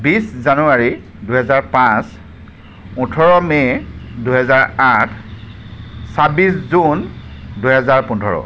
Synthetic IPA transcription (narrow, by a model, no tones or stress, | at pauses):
biszanuaɹi | duɦɛzaɹpãs | ũtʰɔɹɔmɛduɦɛzaɹatʰ | sabiszunduɦɛzaɹpundʱɔɹɔ̰